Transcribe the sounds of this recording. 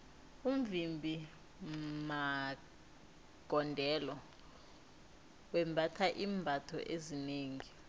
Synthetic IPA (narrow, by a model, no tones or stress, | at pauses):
umvimbʱi | ma | ɡ̥ʱɔndʱɛlɔ | wɛmbʱatʰaʔiːmbʱatʰɔ̰ʔezineːŋi